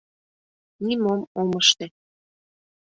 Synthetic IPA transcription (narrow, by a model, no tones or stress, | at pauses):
nimomoməʃt̪ĕ